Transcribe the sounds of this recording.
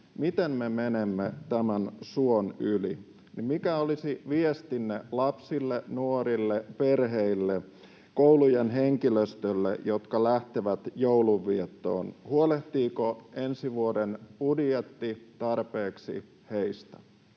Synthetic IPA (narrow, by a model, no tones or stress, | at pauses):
mit̪emmemenemːet̪æmænsuonylḭ | nimmikæolisiʋiest̪inːelɑpsilːenuoɾilːeperɦeilːe | koulujenɦeŋkiløst̪ølːḛjot̪kɑlæht̪eʋæt̪jouluʋːiet̪ːo̰ːnhuoleht̪iːkoensiʋuodenpudjet̪ːit̪ɑrpeːksḭ | heist̪æ̥